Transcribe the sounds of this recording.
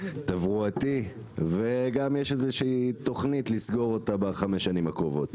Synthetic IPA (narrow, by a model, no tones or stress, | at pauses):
tavʁuati | ve̞ɡamjeʃezeʃiːito̞χnitlisɡo̞ʁo̞tabaχame̞ʃanimakʁovo̞t